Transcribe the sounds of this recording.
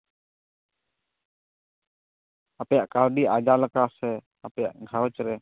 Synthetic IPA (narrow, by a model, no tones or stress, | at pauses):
apɛjaʔkawɖiʔad͡ʒaləkasɛ | apɛja̰ʔɡʱawət͡ʃɾɛ